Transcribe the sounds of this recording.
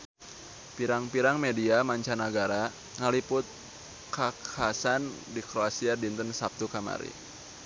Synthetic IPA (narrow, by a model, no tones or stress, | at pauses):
piɾaŋpiɾaŋmediamaɲt͡ʃanaɡaɾa | ŋalipʊt̪̚ | kakʰasandikɾoasiadint̪ənsap̚t̪ukama̰ɾḭ